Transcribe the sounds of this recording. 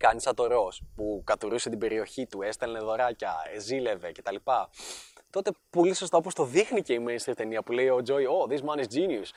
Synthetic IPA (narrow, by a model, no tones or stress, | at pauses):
kɐnisɐt̪o̞ɾo̞spukɐt̪uɾuset̪ibe̞ɾio̞çit̪ue̞st̪elneðo̞ɾɐcɐ̰ezile̞ve̞ce̞t̪ɐlipɐt̪o̞t̪e̞po̞liso̞st̪aɐop̬ost̪o̞ðixnice̞imenst̪ɾit̪e̞niɐpule̞io̞d͡ʒo̞io̞ðizmɐnisd͡zinius